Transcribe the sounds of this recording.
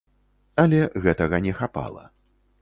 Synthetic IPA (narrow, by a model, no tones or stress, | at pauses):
ɐlʲɛɣɛt̪ɐɣɐnʲɛxapa̰lˠɐ̰